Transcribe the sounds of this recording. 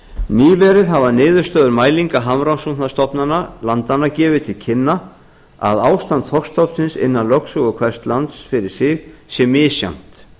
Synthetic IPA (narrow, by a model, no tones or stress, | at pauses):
niːvɛɾɪðɦavanɪːðʏɾst̪œːðʏɾmaːjliŋkaɦamɾawsunast̪ɔpnanalant̪anːacɛːvɪt̪ʰɪlcʰɪnːa | a̰ðaːwst̪ant̪θhɔkst̪ʰɔwpsɪnsɪ̰nːanlœksœɣʏkʰvɛr̥st̪lant̪sfɪɾɪɾ̥sɪɣsjɛmːɪːsja̰wn̥t̪